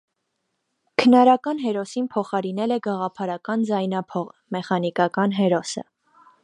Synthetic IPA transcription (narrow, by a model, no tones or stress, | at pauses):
kʰənɑɾɑkɑnɦɛɾɔsinpʰɔχɑɾinɛlɛɡɑʁɑpʰɑɾɑkɑnd͡zɑjnɑpʰɔʁmɛχɑnikɑkɑnɦɛɾɔsə̰